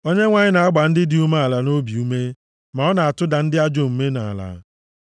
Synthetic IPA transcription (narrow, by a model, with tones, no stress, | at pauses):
o˦ɲe˦ŋʷa˨ɲɪ˦na˨a˦ɡ͡ba˨n̩˦dɪ˦dɪ˨u˦ma˦a˨la˨no˦bi˨u˦me˦ | ma˨ɔ˦na˨a˨tʊ˦da˨n̩˦dɪ˦a˦d͡ʒo˨m̩˨me˦na˨a̰˨la̰˨˦